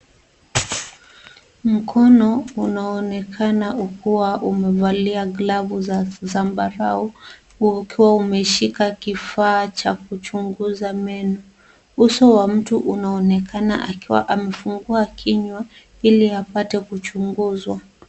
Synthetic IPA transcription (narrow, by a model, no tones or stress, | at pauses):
m̩kʰɔnɔunaɔnɛkʰanaukuwaʔumɛvaliaɡlavuzzambaɾau | kiwaumɛʃikakifaːt͡ʃakut͡ʃuŋɡuzamɛnɔ | usɔwam̩tuʔunaɔnɛkʰana̰ʔakiwa̰ʔamɛfuŋɡuakʰiɲwa | iliapatɛkut͡ʃuŋɡuzwa